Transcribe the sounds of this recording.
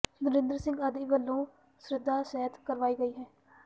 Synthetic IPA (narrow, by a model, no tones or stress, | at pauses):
nəɾɪ̃nd̪ɾsɪ̃ŋɡəd̪iːʋəlːõː | sɾɪd̪ʱːaːsɛːət̪kəɾʋaːiːɡəiːɦɛː